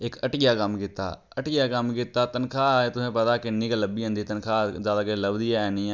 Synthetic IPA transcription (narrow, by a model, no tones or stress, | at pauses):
ɪkəʈɪjaːkəmkɪt̪ːa̰ː | əʈɪjaːkəmkɪt̪aːt̪ənkʰaːet̪ʊsẽːpət̪aːkɪnĩːkaləbiːɦõnd̪iːt̪ənkʰaːzjaːd̪aːkeləbd̪iːaːɛnĩː